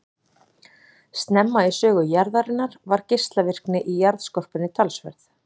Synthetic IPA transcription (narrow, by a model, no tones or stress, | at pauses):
st̪nɛmːaisœːɣʏjaɾðaɾɪnːaɾ̥vaɾ̥cɪst̪lavɪr̥knɪʔijaɾðskɔr̥pʏnːɪt̪ʰalsvɛ̰ɾθ